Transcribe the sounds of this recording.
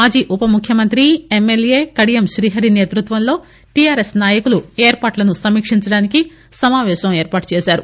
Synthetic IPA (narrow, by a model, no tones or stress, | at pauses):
maːd͡ʒiːʔupɐmukʰjɐmɐnt̪ɾiemːelje̞ːkɐɽijemʃɾiːɦɐɾineːt̪ɾut̪ʋɐnlo̞ː | ʈijaːɾesnaːjɐkulueːɾpaːʈlɐnusɐmːiːkʂiɲt͡ʃɐɽaːniki | sɐmaːʋɛːʃɐmeːɾpaːʈ̚t͡ʃeːʃaːɾu